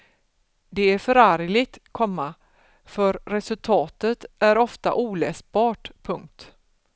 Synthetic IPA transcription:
d̪ɛæɾfœɾaɾjlɪɡ̚t̪kʰɔmːa | fœɾːɛsɵlt̪ʰɑːt̪ət̪æɾɔft̪a̰ʔuːlɛːsbɑːʈpʰɵŋk̚t̪

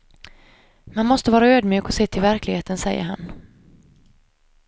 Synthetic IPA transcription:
manmɔst̪əvɑːɾaøːd̪mjy̟ːkɔseːt̪ʰɪlvæɾklɪɡheːt̪ənsɛjːə̰ɾɦa̰n

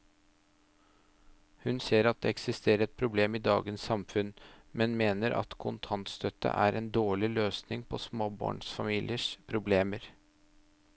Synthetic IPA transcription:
hʉnseːɾɑt̪̚d̪ɛːɛksɪst̪ʰeːɾəɾɛt̪̚pʰɾʊbleːmiːd̪ɑ̰ːɡənsːɑmfʉnmɛnmeːnəɾʔɑ̰t̪kʰʊnt̪ʰɑnt̪st̪ʰœt̪ə̰ʔæːɾʔɛnd̪oːɭɪløːsnɪŋpʰɔsmoːbɑ̰ːɳsfɑmiːlʔɪəʂpʰɾʊbleːməɾ

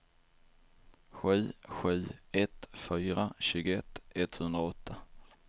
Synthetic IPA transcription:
ɧy̟ːɧʉy̟ːɛt̪fyːɾaɕʉ̟ːɡʊɛt̪ːɛt̪hɵnd̪ɾaɔt̪ʰːa

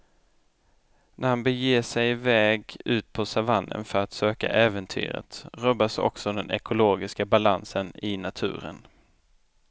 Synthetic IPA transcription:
nʔæɾhanbɛjeːʂɛjvɛːɡʉ̟ːt̪̚pʰɔsavanːə̰nfœɾat̪søːka̰ʔɛːvənt̪ʰy̰ːɾə̰t̪ɾœbːasɔ̰ksɔd̪ɛnɛkʊloːɡɪskabalansənɪnat̪ʰʉ̟̰ːɾə̰n

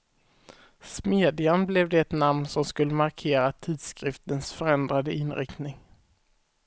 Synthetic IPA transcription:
smeːd̪ɪanblɛvd̪ɛːt̪namnsɔmskɵlːəmaɾkʰeːɾat̪ʰiːd̪skɾɪft̪ənsfœɾɛnd̪ɾad̪əɪnɾɪ̰kt̪nɪŋ

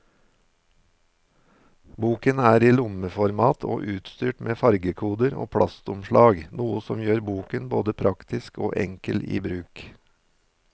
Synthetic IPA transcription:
buːkənæːɾiːlʊməfɔɾmɑːt̪ʰo̰ːʔʉːt̪st̪yːʈmʔeːfɑɾɡəkʰuːd̪əɾo̰ːpʰɽɑst̪ʊmʃlɑːɡnuːəsɔmjøːɾbuːkənbo̰ːd̪əpʰɾɑkt̪ɪsko̰ːʔɛ̰ŋkəlḭːbɾʉːk

